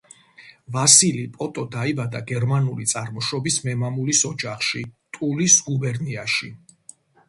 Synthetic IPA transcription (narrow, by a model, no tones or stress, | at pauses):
vasilipʼɔt̪ʼɔd̪aibad̪aɡɛɾmanulit̪sʼaɾmɔʃɔbismɛmamulisɔd͡ʒaχʃit̪ʼulisɡubɛɾniaʃi